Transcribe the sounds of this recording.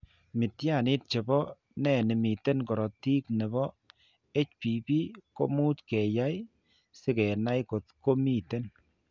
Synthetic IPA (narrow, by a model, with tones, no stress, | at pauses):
mɪ˨tja˦˨nɪ˦t̚t͡ʃe˨bɔ˦ | nɛ˦˨nɪ˨mi˨te˦nkɔ˨ɾɔ˨ti˦knɛ˨bɔ˦ | e˦t͡ʃpi˨bi˦ko̰˦mu˦tkɛ˨ja˦j | sɪ˦kɛ˨na˦jko˨tko˦mi˦˨te˦n